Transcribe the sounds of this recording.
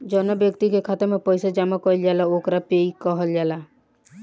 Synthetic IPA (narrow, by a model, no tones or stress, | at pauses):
d͡ʒɔnɔbjɔkt̪ikekʰat̪eɾmepɔjsad͡ʒamakɔjld͡ʒalaokɾapeikɔɦɔld͡ʒala